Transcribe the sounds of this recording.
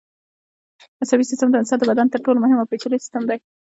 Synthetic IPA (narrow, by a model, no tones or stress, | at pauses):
masabisɪst̪əmd̪ənsɑd̪əbad̪ant̪əɾʈolomʊɦɪmawpet͡ʃalejsɪ̥st̪əmd̪aj